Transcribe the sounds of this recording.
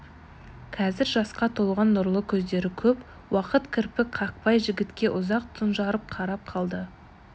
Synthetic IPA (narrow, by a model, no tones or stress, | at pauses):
qʰɑzɪɾʒɑsqɑt̪ʰolˠʁɑnːʊɾlˠəkʲʰɵzd̪e̞ɾɪkʲʰɵp | wɑqət̪kʲʰɪɾpɪkqʰɑq̚pɑjʒɪɡʲɪt̪kʲe̞ʔʊzɑq̚t̪ʰʊnʒɑɾəp̚qʰɑɾɑp̚qʰɑlˠd̪ə